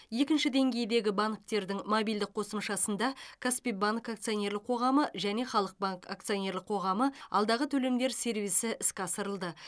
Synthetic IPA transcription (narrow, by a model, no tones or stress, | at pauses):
je̞kʲɪnʃɪd̪e̞ŋɡʲe̞jd̪e̞ɡʲɪbaŋk̚t̪e̞ɾd̪ɪŋmobijld̪ɪk̚qʰo̞səmʃɑsənd̪ɑkʰaspijbaŋkak̚t̪sionʲe̞ɾlɪqʰo̞ʁɑməʒæne̞χɑlˠəq̚baŋka̰k̚t̪sijonʲe̞ɾlɪqʰo̞ʁɑməɑ̰lˠd̪ɑʁət̪ʰɵle̞md̪e̞ɾse̞ɾvijsɪʔɪskʲɑsəɾəlˠd̪ə